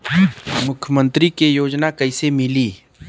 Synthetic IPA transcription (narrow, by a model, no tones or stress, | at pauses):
mʊkʰjəmə̃nt̪ɾikejoːd͡ʒnakɐɪsemɪliː